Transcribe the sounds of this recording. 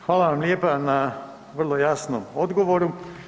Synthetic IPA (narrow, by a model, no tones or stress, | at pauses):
xʋaːlaʋamljepana | ʋrlˠo̞jasno̰mo̞d̪ɡoʋoɾu